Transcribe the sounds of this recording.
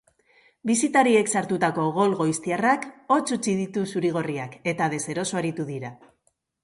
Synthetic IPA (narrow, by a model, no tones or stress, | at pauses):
bisit̪aɾie̞ksaɾt̪ut̪ako̞ɣo̞lɣo̞ist̪iarako̞t͡sut͡siðit̪usuɾiɣ̞o̞riake̞t̪að̞e̞se̞ɾo̞soaɾit̪uðiɾa